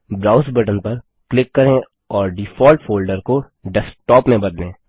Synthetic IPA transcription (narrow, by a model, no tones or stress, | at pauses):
bɾaːʊsbɐʈənpɐɾ | klɪkːɐɾẽ | ɔːɾɖɪfɔːlʈfoːlɖəɾko | ɖɛsʈɔːpmẽbɐd̪lẽː